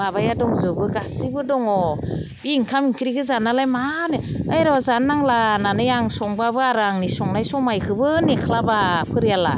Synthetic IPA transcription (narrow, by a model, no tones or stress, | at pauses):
abajadɔŋzɯbɯɡasibɯdɔŋɔ | biŋkʰamiŋkʰiɾiɡɯzanːalajmaneajɾɔzanːaŋlananɯjaŋsɔŋbabɯaɾaŋnisɔŋnajsɔmajkʰɯbɯnekʰlabapʰɯɾijala